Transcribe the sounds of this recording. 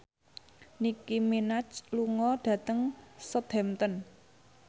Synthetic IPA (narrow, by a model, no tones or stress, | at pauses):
nikiminat͡ʃluŋɔɖ̥ä̤t̪əŋsəd̪̥ɛmt̪ən